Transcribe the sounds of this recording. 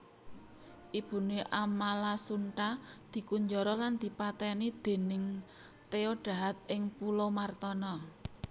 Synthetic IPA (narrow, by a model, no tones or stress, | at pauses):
ʔib̥ṳneʔamalasuɳʈad̪̥i̤kuɲd͡ʒɔɾɔland̪̥i̤pat̪ɛnid̪̥e̤nɪŋ | t̪eoɖ̥a̤ɦat̪̚ʔɪŋpulomart̪ɔnɔ